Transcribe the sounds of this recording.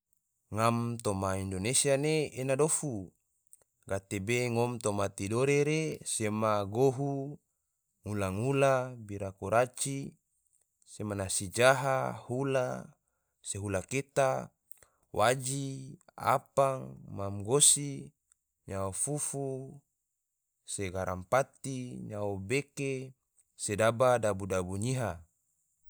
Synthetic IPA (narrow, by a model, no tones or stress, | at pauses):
ŋamt̪omaindonesianeenadofu | ɡat̪ebeŋomt̪omat̪idoɾeɾesemaɡoɦu | ŋulaŋulabiɾakoɾat͡ʃi | semanasid͡ʒaɦahula̰ | seɦulaket̪a | wʔad͡ʒia̰paŋmamɡosi | ɲaofufu | seɡaɾʔa̰mpat̪iɲaobeke | sedabadabudabuɲiɦa